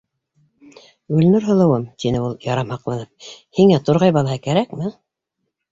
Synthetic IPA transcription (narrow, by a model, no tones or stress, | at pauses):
ɡɵlnɘɾɦɤ̆lˠɤ̆wɤmt̪inɘulˠjɑɾɑmhɑqlˠɑnɤp̚hiŋæt̪oɾʁɑjbɑlˠɑɦɤkæɾækmɘ